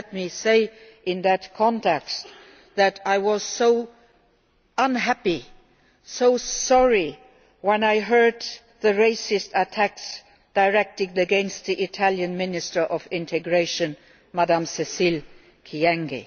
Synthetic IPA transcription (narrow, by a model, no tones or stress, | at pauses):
t̚miseɪɪ̃nðɨtkʰɑ̃ntʰɛkst | ðɨɾaɪwʌz̥soʊ | ə̃nɦæpi | soʊsɔɹi | wɛ̃naɪɦɜ˞d̪̚ | ðɨɹeɪsɪstətʰæks | d̥aɪɹɛk̚tɪŋdɨɡɛ̃nst̪̚ðiʔɪtʰæljɨ̃nmɪ̃nɨstə˞ʔʌvɪ̃ntʰɨɡɹeɪʃɨ̃n | madãmsɛsil | kʰiɛ̃ŋɡḭ